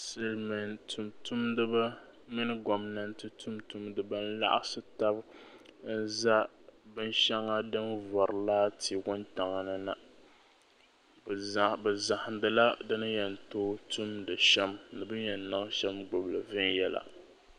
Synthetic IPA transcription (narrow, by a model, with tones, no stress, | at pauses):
sɨ˦lmɪ˨ntmtu˦mdɨ˦ba˦ | mɨ˦nɨ˦ɡɔ˨mna˨n̩˦tɨ˦tu˦mtu˦mdɨ˦ba˦n̩˦la̰˦ʔa̰˦sɨ˦ta˦bn̩˦za˦bɨ˦n˦ʃɛ˦ŋa˦dɨ˦nvɔ˨ɾɨ˨laː˦tʰi˨ɡʊ˦nta˨ŋa˨nɨ˦na˨ | bɛ˨za˨ha˨ndɨ˨la˦dɨ˦nɨ˦jɛ˨n˨toː˦tu˦mdɨ˨ʃɛ˦mnɨ˨bɨ˦jɛ˨n˨na˦ŋ˦ʃɛ˦mɡ͡bo˨blɨ˨vɪ˦n˦jɛ˦la̰˨